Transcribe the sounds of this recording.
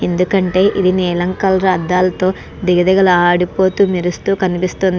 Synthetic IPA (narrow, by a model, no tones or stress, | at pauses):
e̞nd̪ukɐɳʈe̞ːʔid̪inɛːlɐŋkɐlɾaːd̪aːlɐt̪o̞ː | d̪iɡɐd̪ɐɡɐluaːɽipo̞ːt̪uːmiɾust̪uːkɐnipist̪ond̪i